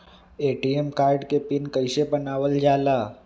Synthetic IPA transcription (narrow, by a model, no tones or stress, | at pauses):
eːʈiemkaːɾɖkepɪnkəɪsebənaːʋəld͡ʒaːlaː